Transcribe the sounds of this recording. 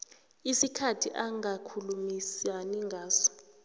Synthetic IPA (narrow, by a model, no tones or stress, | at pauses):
isikʰatʰiʔaŋakʰulumisaniŋɡʱaːsɔ̥